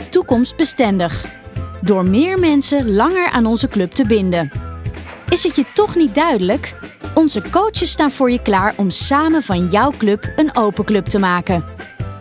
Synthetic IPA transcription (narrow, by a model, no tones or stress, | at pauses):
tukɔmst̚bəstɛndəχdʊːɹmɪːɹmɛnsəlɑŋəɹa̰ːnɔnzəklɵp̚təbɪndə | ɪsɦətjətɔχnit̚dœɥdələkɔnzəkowt͡ʃəsːtaːnv̥ʊːɹjəklaːɹʔɔmsaːmənvɑnjʌwklɵpənowpəklɵptəmaːkən